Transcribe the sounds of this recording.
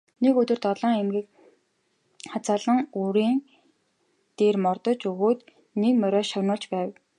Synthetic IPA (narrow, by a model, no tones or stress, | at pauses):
nekɵt̪ɵ̆rt̪ɔɮɔːŋemɡʲiːk | χat͡saːɮə̆ŋuɾiːŋ | t̪eːrmɔrt̪ɞ̆t͡ɕuɣoːt̪ | nekmœɾʲœːʃœwnʊːɮt͡ɕpæːw